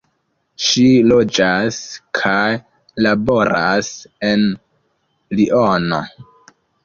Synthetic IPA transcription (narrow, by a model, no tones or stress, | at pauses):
ʃilo̞d͡ʒaskʰaj | labo̞ɾa̰se̞n | liʔono̞̰